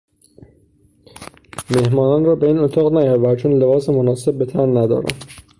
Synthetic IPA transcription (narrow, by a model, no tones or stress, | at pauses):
me̞hmɒːnɒːnrɒːbe̞iːnot̪ʰɒːɣnæjɒɾvæɾt͡ʃʰoːnle̞bɒːsemonɒːse̞bːe̞t̪ʰænnæd̪ɒ̰ːɾæ̰n